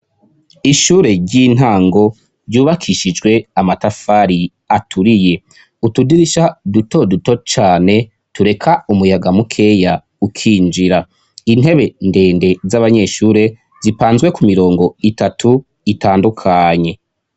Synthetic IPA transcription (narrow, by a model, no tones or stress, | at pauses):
iʃuːɾe̞ɾɟin̥ɦaːŋɡo̞ | ɾɟuːβakʰiʃid͡ʒɡwe̞amatafaːɾi | atʰuɾije̞ | utudiɾiʃaduto̞duto̞t͡ʃaːne̞ | tuɾe̞kʰaumujaɡamukʰe̞ja | ukʰiːnd͡ʒiɾa | in̥he̞βe̞nde̞ːnde̞zaβaɲe̞ʃuːɾe̞ | zipaːnzɡwe̞kumiɾo̞ːŋɡo̞itatʰu | itaːndukʰaɲe̞